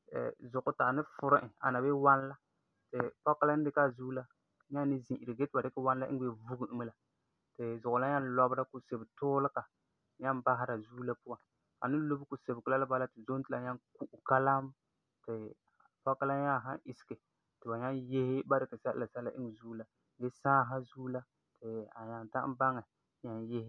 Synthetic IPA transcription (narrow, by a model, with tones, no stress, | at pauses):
ɛ̰˨zʊ˨ɣʊ˨ta˨nɨ˦fʊ˨ɾɪ˦ʔɪ˨a̰˨na˨be˦wa˦n˦la˦ | tɪ˨pɔ˦ka˦la˦n˦dɪ˦ka˦˨zu˦la˦ | ɲa˦n˦nɪ˦zĩ˨ʔi˨ɾɨ˨ɡe˦tɨ˨ba˨dɪ˦ka˦wa˦n˦la˦ʔɪ˦ŋ˦e˦vu˦ɡɨ˦˨ʔmɨ˦la˨ | tɪ˨zʊ˨ɣʊ˨la˦ɲa˦n˦lɔ˦bɾa˦ku˨se˨bɨ˨tʊː˦lɨ˦ka˨ | ɲa˦mba˦ɦa˦ɾa˨zuː˦la˦pu˦a˨˦n | a̰˨nɨ˦lo˦bɨ˦ku˨se˨bɨ˨kɨ˨la˦la˦ba˦la˦tɪ˨zo˦n˦tɨ˦la˨ɲa˦ŋku˦˨ʔu˨ka˦la˦m | tɪ˨ | pa˦ka˦la˦ɲa˦˨ɦa̰˦ʔɪ˨sɪ̥˨kɨ˨ | tɨ˨ba˨ɲa˦nje˦hɪ˦ba˦dɪ˨ka˨sa˦ʔla˨sa˦la˦ʔɪ˦ŋ˨zuː˦la˨ | ɡe˦saː˦ɦa˦zuː˦la˦ | tʰɪ˨a˨ɲa˨nta̰˦ʔba˦ŋɛ˨˦ | ɲa˦nje˦hɪ˦